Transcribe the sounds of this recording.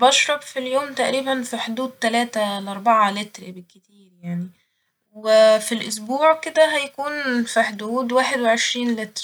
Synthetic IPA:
bɑʃɾˤɑbfiljoːmt̪æʔɾiːbænfiħd̪uːd̪̚t̪ælæːt̪ælʔɑɾˤbaʕalɪt̪ɾbɪkːɪt̪iːɾjaʕni | wefilʔʊs̬buːʕked̪æɦæjkuːnfiħd̪uːd̪waːħed̪weʕeʃɾiːnlɪt̪ɾ

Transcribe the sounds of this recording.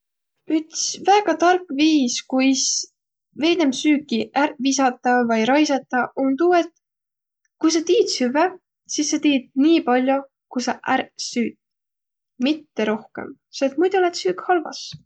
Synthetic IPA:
yt̪svæːɡ̥ɑt̪ɑrkːˑviːskujs | ve̞jnemsyːkːˑiʔæɾvisɑt̪ːˑɑvɑjɾɑjsɑt̪ːˑɑʔont̪uːet̪ | kujs̬ɑt̪iːd̪syve | sisːet̪iːd̪̥̚niːpɑlʲjo̞ | kujsɑʔæɾsyːt̪ | mit̪ːe̞ɾo̞hke̞̰m | set̪mujd̪olet̪syːkhɑlvɑ̰s

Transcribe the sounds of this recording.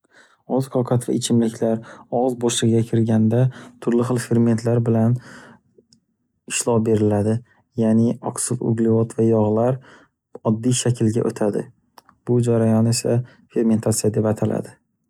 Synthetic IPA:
ɒzqʰɒwqʰat̪va̰ɪt͡ʃʰɪmlɪkʲʰlaɾɒʁzbɒʃlɨʁɪɡʲakʲʰɪɾɡʲand̪at̪ʰʊɾlɪɨlˠfe̞ɾme̞nt̪ʰlaɾbɪlan | ɪʃlˠɒbe̞ɾɪlad̪ɪ | janɪɒksʊfʊ̰ɡlɪvɒt̪ʰvajɒʁlaɾ | ɒd̪ːijʃakʲʰɪlɡʲa̰ʔot̪ʰad̪ɪ̰ | b̥ʊd͡ʒaɾajɒne̞sa̰ | fe̞ɾme̞nt̪ʰat̪sijad̪e̞pat̪ʰalʔa̰d̪ɪ

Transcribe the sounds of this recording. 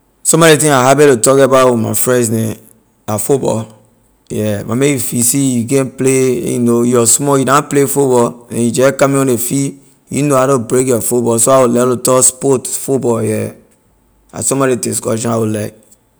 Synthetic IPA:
sɔ̃mɔɾet̬ĩŋaɦabɛɾotɔkebawuma̰fɹɛ̃nsnɛ̃ | afubɔ̰l | jɛma̰mejifisijuɡɛ̃npleḛjṵnojɔsmɔjidãplefubɔlnɛ̰̃jud͡ʒɛkãmĩɔ̃nefi | jṵnoaɾõbɾekjɔfubɔsoawulɛlotɔspotfubɔljɛ | a̰sɔ̃mɔɾeteskɔ̰ʃɔ̃awulak

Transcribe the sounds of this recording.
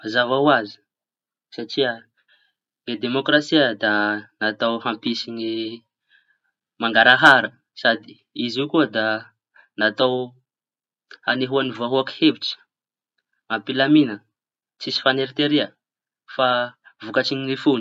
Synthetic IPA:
azavawazi̥ | saʈ͡ʂiə | ɡed̪emokrasiəd̪anat̪awɦampisini | maŋɡaɾaɦaɾə | sad̪i | izikuəd̪a | nat̪aw | haneɦuanivuaɦuaki̥hebiʈ͡ʂə̥ | ampilaminə | t͡sisi̥faneɾit̪eɾiə | favukaʈ͡ʂiɲinifuni̥

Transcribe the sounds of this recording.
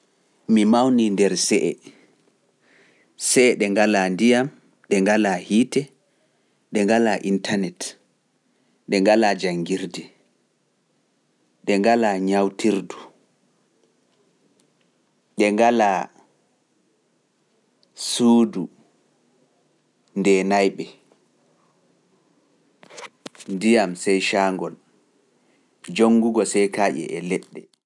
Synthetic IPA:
mimawnindɛɾsɛʔɛ̰ | sɛɗɛŋɡalandijam | ɗɛŋɡalahiːtɛ | ɗɛŋɡalaʔintanɛt | ɗɛŋɡalad͡ʒaŋɡiɾdɛ | ɗɛŋɡalaɲawtʰiɾdu | ɗɛŋɡala | suːdu | ndɛnajɓɛ | ndijamsɛjʃaːŋɡɔn | d͡ʒoŋɡuɡɔsɛjkaːʔɛ̰ʔɛlɛɗːɛ

